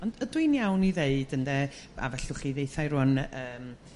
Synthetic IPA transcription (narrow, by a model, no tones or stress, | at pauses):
ɔndədwɨnjawniðeɨd̥əndɛ | a̰vɛɬʊχiːðeɨθajɾʊnəːm